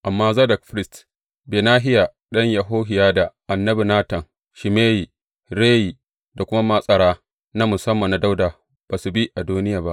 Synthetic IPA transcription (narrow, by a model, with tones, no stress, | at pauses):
ʔa˨mːaː˦za˦dɐ˨kɸɾɪ˦st | beː˨naː˦ɦɪ˦jaː˨ | ɗɐ˦ɲjɐ˨ɦoː˦ɦɪ˨jaː˦da˨ʔa˨nːɐ˦bi˨naː˦tɐ˨ŋ | ʃɪ˨meː˦ji˨ | ɾeː˦ji˨ | da˨kʷʊ˦ma˦ma˦sʼɐ˨ɽaː˦ | na˦mʊ˨sɐ˦mːɐ˨nːa˦da˦wdaː˨ | b̥aː˨su˨bi˦ʔa˨duː˦nɪ˦jaː˨ba˦ʔ